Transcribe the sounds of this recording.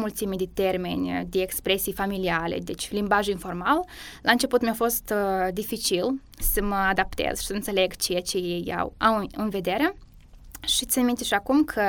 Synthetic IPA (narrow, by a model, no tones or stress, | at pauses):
mult̪simd̪et̪e̞rme̞̰nʲd̪eːkspɾe̞sijfamilialḛd̪et͡ʃʲlimbaʒinfo̞rmallʔaɨnt͡ʃe̞put̪mʲeafo̞st̪d̪ifit͡ʃil | səməad̪ap̚t̪ḛz̥ʃi̥səɨnse̞le̞ɡt͡ʃejat͡ʃe̞jeja̰wa̰wɨnve̞d̪e̞ɾe̞ | ʃit̪sʲanmint̪eʃiakumkʰə